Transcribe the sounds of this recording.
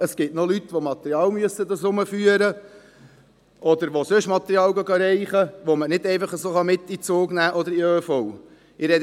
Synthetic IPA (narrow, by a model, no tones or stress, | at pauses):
əsɡ̥ɪtnolyt̪ʋomɑt̪ɛɾiɑːlmyəsːəd̪ɑsʊməfyːəɾə | ʔɔd̪əɾʋosøʃmɑt̪əɾiɑːlɡɑɡɑɾɛɪχəʋomənɪdɛɪfɑχəsoːχɑmɪt̪ːit͡soːɡnæːʔɔd̪əɾiøːfɔw | ɪɾɛd